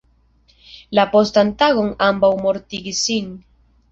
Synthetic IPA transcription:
lapo̞stant̪aɣo̞ŋambawmo̞ɾt̪iɡisin

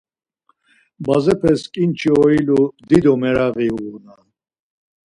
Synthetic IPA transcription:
bazɛpʰɛskʼint͡ʃʰiɔilud̪id̪ɔmɛɾaɣiunal

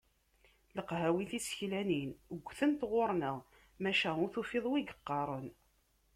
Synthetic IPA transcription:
ləqɦæwiθisə̥çlæninɡʷːθənt̪ʁoɾˤnəʁ | mæʃæʊθufeðˤwiɡə̥qːɑɾˤən

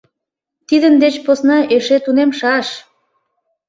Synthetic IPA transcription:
t̪id̪ənd̪et͡ɕposnɑʔeʃet̪unemʃɑʃ

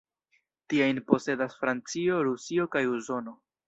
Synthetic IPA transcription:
tiajnpo̞se̞dasfɾant͡sio̞ɾusio̞kajuso̞no̞

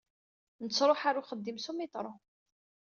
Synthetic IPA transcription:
nət͡sːɾˤoħaɾuχəd̪ːimsumit̪ɾˤo

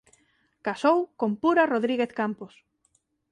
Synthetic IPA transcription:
kasowkompuɾaroðɾiɣeθkampos

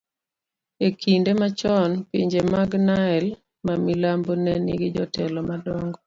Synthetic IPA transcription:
ekʰindemat͡ʃɔnpiɲd͡ʒemaɡnaɛl | mamilambonɛniɡɪd͡ʒɔtʰɛlɔmadɔŋɡɔ

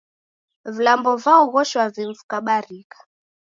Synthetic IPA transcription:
vilambɔvaɔɣɔʃwaviɱfukaɓaɾikḁ

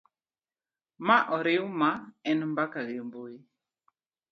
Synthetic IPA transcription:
maʔɔɾeumaɛnmbakaɣemboi

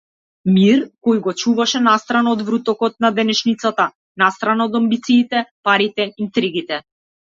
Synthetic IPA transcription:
miɾkɔjɡɔt͡ʃuvaʃɛnast̪ɾanɔd̪vɾut̪ɔkɔt̪̚nad̪ɛnɛʃnit̪sat̪a | nast̪ɾanaɔd̪ɔmbit̪siːt̪ɛpaɾit̪ɛint̪ɾiɡit̪ɛ

